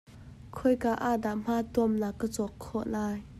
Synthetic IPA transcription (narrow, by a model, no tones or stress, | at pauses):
kʰɔjkaʔaːdaʔm̥at̪uəmnakːət͡sɔkʰːɔʔlaːj